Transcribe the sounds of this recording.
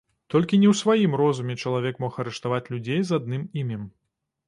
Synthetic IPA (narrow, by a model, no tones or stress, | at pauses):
t̪ɔlʲkʲinʲɛwsvajimrɔzumʲɛt͡ʂɐlˠavʲɛkmɔxɐɾɛʂt̪avat͡sʲlʲud͡zʲejzad̪̚nɨmimʲɛm